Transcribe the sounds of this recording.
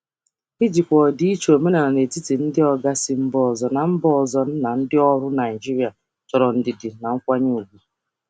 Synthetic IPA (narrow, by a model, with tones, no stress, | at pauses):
i˦d͡ʒi˨kʷɔ˨di˦i˦t͡ʃo˨me˦na˨a˨ne˨ti˦ti˨n̩˦dɪ˦ɔ˦ɡa˦sɪ˦m̩˦bɔ˨zɔ˨na˨m̩˦bɔ˦˨zɔ˦n̩˦na˨n̩˦dɪ˦ɔ˦ɾʊ˦na˨i˨d͡ʒi˦ɾi˦a˨ | t͡ʃɔ˨ɾɔ˨n̩˦dɪ˨dɪ˨na˨ŋ̩˦kʷa˦ɲu˦u˨ɡʷu˦